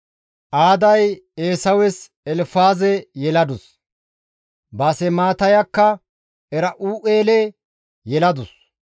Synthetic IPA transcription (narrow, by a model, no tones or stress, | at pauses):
ʔaːd̪ɐjeːsɐwɛs | ɛlfaːzɛjɛlɐd̪ʊs | bɐsɛmaːt̪ɐjɐkːɐ | ɛɾɐʔuːʔeːlɛ | jɛlɐd̪ʊs